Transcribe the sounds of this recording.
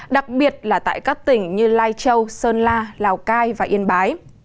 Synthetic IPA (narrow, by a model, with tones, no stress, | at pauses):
ɗa˨˩k̚ɓi˨˩ət̚laː˨˩t̪a̰ː˧˨jkaː˦˥k̚t̪ï˨˩ŋ̟ɲɨ˧laː˧jt͡ɕə˧wsəː˧nlaː˧laː˨˩wkaː˧jvaː˨˩ʔḭ˧ənɓaː˨˦j